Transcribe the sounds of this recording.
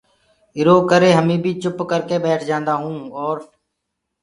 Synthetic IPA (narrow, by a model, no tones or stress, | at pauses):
ɪɾoːkəɾeːɦəmĩːbʱiːt͡ʃʊpkəɾkeːbɛːʈʰd͡ʒãːnd̪aːɦũːɔːɾ